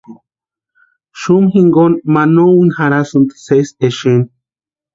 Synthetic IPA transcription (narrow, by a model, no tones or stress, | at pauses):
ʃumɦiŋɡonmanowinxaɾasɨnt̪ɨ̥seseʃin